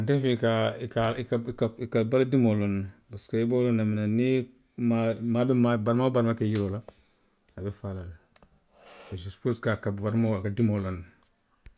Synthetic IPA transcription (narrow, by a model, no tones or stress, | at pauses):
antefikakakakaikabaladimolonbaskaibolonaminani | mamabimabaɾmabaɾmakajiɾola | abefalal | bessu̥poskakabaɾmokadimolon